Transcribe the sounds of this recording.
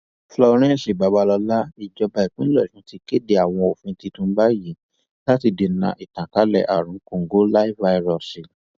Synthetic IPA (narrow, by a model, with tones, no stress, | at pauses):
flɔ˧ɾ̃ɛ̃˦˨si˨ba˨˦ba˧lɔ˧la˦i˨d͡ʒɔ˧ba˧i˨k͡pĩ˦lɔ˦˨ʃũ˨˦ti˧ke˦˨de˧a˨w̃ɔ̃˧o˨fũ˧˦˧ti˧tũ˧˦ba˦ji˨˦ | la˦ti˧de˨nã̰˧˨ʔi˨tã˨ka˨˦lɛ̰˦˨ʔa̰˨ɾ̃ũ˨˦kõ˨ŋ̩˦ɡo˦la˦i˦fva˧i˧ɾɔ˨si˨